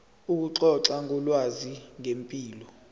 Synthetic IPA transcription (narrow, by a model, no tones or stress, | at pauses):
uk̬uǁɔǁaŋɔlwaziŋʱempʼiːlɔ